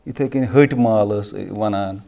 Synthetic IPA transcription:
it̪ʰɐkenɦəʈʲmaːləsʋɐnan

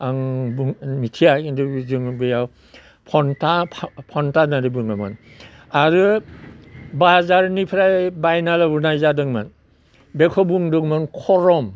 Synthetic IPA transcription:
aŋbuŋmitʰijakinduzɯŋbɯjaw | pʰɔntapʰpʰɔntanaɾɯbɯŋama̰n | aɾɯ | bazaɾnipʰɾajbajnalabunajzadɯŋman | bekʰɔbuŋdɔŋmɯnkʰɔɾɔm

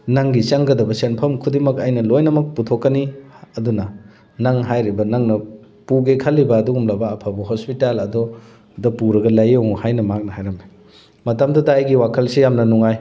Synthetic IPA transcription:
nɐŋɡit͡ʃɐŋɡɐdɐbɐsenpʰɐmkʰudimɐkɐjnɐlojnɐmɐk̚putʰokːɐniɐdunɐ | nɐŋɦajɾibɐnɐŋnɐ | puɡekʰɐlːibɐːduɡumlɐbɐːpʰabuɦospitalɐdɔ | dɐpuɾɐɡɐlɐjɐwŋhajnɐmak̚nɐhajɾɐmi | mɐtɐmdɐdɐɐjɡiwakʰɐlsijamnɐnuŋaj

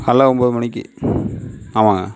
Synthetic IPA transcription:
kɐlːaɔmboːðɯmɐɳɪk̬ʲːḭ | aːʋaːŋɡɐ̰

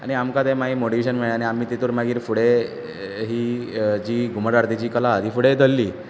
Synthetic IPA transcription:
a̰ɽ̃iamkat̪emaɦimoʈiʋeɕənməɭeaɽ̃iamiːt̪it̪uːɾmaɡiːɾfuɽe | ɦiːd͡ʑiːɡʱuməɾaɾt̪it͡ɕiːkəlat̪iːfuɽed̪ʱəlːiː

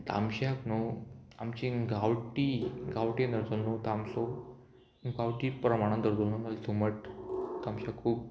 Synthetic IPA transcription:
t̪a̰mɕaknoamt͡ɕĩɡawʈiɡawʈẽnd̪əɾd͡zolnot̪amsɔ | ɡawʈipɾəmaɽ̃ãnd̪əɾd͡zolnonalsuməʈ̚t̪amɕakʰːuːb̚

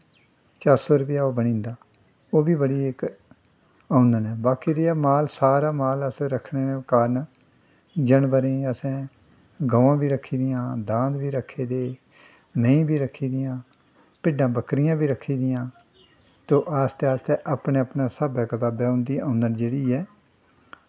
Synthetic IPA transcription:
t͡ʃaːɾsoːɾʊpjaːoːbəɽ̃ĩːnd̪aː | oːbiːbəɽiːek | ãːʊnd̪ənɛːbaːkiːd̪eaːmaːlsaːɾaːmaːləsːɾəkʰneːkaːɾn | d͡ʒəɳbəɾẽːəsɛ̃ː | ɡəʋãːbiːɾəkʰːiːd̪ɪjãːd̪ãːnd̪biːɾəkʰːeːd̪eː | mẽĩːbiːɾəkʰːiːd̪ɪjãː | pɪɖãːbəkɾɪjãːbiːɾəkʰːiːd̪ɪjãː | t̪õːʔaːst̪eːaːst̪eːʔaːpɳeːəpɳaːsaːbaːkət̪aːbaːʊ̃nd̪iːãːnd̪ənd͡ʒeːɽiːɛː

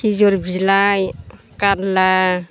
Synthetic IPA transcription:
izɔɾbʱid͡ʒlaj | kaɾla

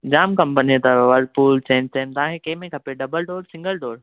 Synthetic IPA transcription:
d͡ʑaːmkɐ̃mpənit̪ɐʋɐɾɖpuːlt͡ɕẽːɲt͡ɕeːnt̪aãːkekeːmẽkʰɐpeɖɐbəlɖoːɾsɪ̃ŋɡəlɖoːɾ

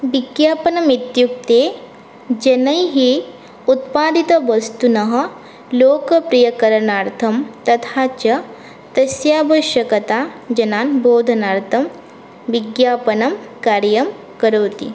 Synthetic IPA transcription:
ʋiɡjaːpɐnɐmit̪juk̚t̪eː | d͡ʒɐnɐjɦi | ut̪̚paːd̪it̪ɐʋɐst̪unɐɦɐ̆ | loːkɐpɾijɐkɐɾɐnaːɾt̪ʰɐmt̪ɐt̪ʰaːt͡ʃɐ | t̪ɐsjaːbɐʃjɐkɐt̪aːd͡ʒɐnaːnboːd̪ʱɐnaːɾt̪ʰɐm | ʋiɡjaːpɐnɐmkaːɾjɐm | kɐɾoːt̪ḭ

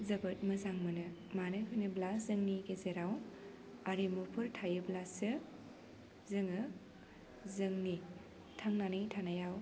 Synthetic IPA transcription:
zɐbɯt̚mɐzaŋmɯnɯmanɯkʰɯjnɯblazɯŋniɡezeɾaw | aɾimupʰɯɾtʰajɯblasɯ | zɯŋɯ | zɯŋni | tʰaŋnanɯjtʰanajaw

